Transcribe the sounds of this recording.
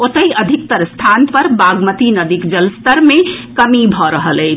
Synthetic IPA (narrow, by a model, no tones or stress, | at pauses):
ot̪əjəd̪ʱik̚t̪əɾst̪ʰanpəɾbaɡmət̪inəd̪ikd͡ʒəlst̪əɾmekəmibʱɔɾəɦələɪt͡ʃʰ